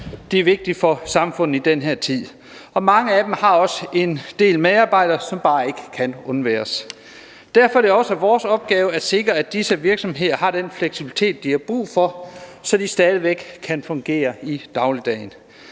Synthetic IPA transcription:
d̥e̝æɐʋe̝ɡ̥̚d̥i̥fɒ̽sɑ̈mfɔ̽n̰ð̩ˠid̥enɦeɐt͡sʰið̰ˠ | ɒ̽mɑ̈ŋəæd̥emhɑ̈ɒ̽səe̝nd̥e̝̰ːlmeɑ̈ːb̥ɑ̈ɪ̰d̥ɐsɒ̽mb̥ɑ̈ːe̝ɡ̥ə̥kʰænɔ̽nʋæ̰ːɐs | d̥æɐfɒ̥eɒ̽sæʋɒːsɒ̽b̥̚ɡ̥ɛːʊəæse̝ɡ̥ʁɐæ̥d̥isəʋiɐɡ̥sɒ̽mɦe̝ð̰ˠɐɦɑ̈d̥enfleɡ̥sib̥ili̥t͡sʰe̝̰ːd̥̚iæb̥ʁṵːfɒ̽sɒ̽d̥isd̥ɛːð̞ˠəʋeɡ̥kʰænfɔ̽ŋɡ̥e̝̰ːɐid̥ɑ̈ʊləd̥ɛ̰ɪn

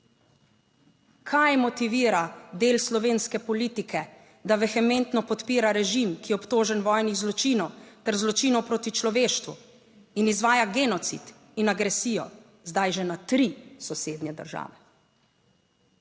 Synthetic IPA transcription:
kʰajmɔt̪iʋiːɾad̪eːlslɔʋeːnskɛpɔliːt̪ikʰɛ | d̪aʋɛxɛment̪nɔpɔt̪piːɾaɾɛʒimkiɛɔpt̪oːʒɛnʋɔːjniɣzlɔt͡ʃiːnɔwt̪ɛɾzlɔt͡ʃiːnɔwpɾoːt̪it͡ʃlɔʋeːʃt̪ʋṵ | inizʋaːjaɡeːnɔt̪sḭt̪ | inaɡɾɛsiːjɔ | zd̪ajʒɛnat̪ɾisɔseːd̪nɛd̪ə̰ɾʒa̰ːʋɛ

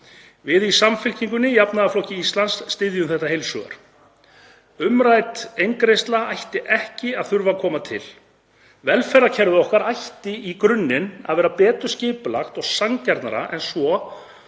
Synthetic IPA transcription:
vɪðisamfɪl̥ciŋkʏnːɪjapnaðaflɔhcɪist̪lansːt̪ɪðjʏmθɛht̪ahejlsʏ̰ɣa̰ɾ̥ | ʏmɾajt̪ejŋkɾejst̪laajht̪ɪʔɛhcɪaðθʏɾvakʰɔːmat̪ʰɪ̰l | vɛlfɛɾacʰɛɾðʏɔhkaɾajht̪ɪikɾʏnːɪna̰ðvɛːɾapɛːt̪ʏ̥scɪːpʏlaxt̪ɔɣsaŋcaɾt̪na̰ɾa̰ʔɛnsvɔ

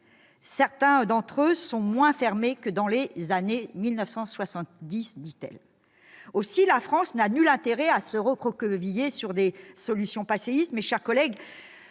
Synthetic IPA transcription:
sɛʁt̪ɛ̃d̪ɑ̃t̪χøsɔ̃mwɛ̃fɛʁmekəd̪ɑ̃lezanemilnœfsɑ̃swasɑ̃t̪d̪isd̪it̪ɛ̰l | osilafχɑ̃snanylɛ̃t̪eʁɛasəʁəkχɔkvijesyʁd̪esɔlysjɔ̃paseist̪mɛʃɛʁkɔlɛɡ

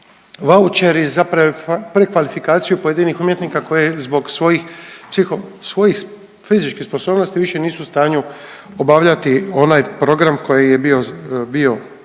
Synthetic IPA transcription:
ʋaut͡ʃeɾizapɾpɾekʋalifikaːt̪sijupojed̪inixumje̞t̪niːkako̞jezbo̞ɡsʋo̞jixpsixosʋo̞jix | fizit͡ʃkixspo̞so̞ːbnost̪iʋiʃe̞niːsust̪aːɲu | obaʋʎat̪io̞najpɾo̞ɡɾamko̞jejebio̞bio̞

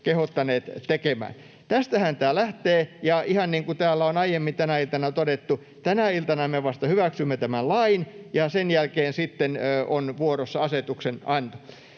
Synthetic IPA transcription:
kehot̪ːɑneːt̪t̪ekemæ̰ːn | t̪æst̪æhænt̪ælæht̪eːjɑihɑnniːŋkut̪æːlːæonɑijemːint̪ænæilt̪ɑnɑt̪odet̪ːu | t̪ænæilt̪ɑnɑmeʋɑst̪ɑhyʋæksymːet̪æmællɑinjɑsenjælkeːnsit̪ːenːonʋuorosːɑɑset̪uksenɑnt̪u̥

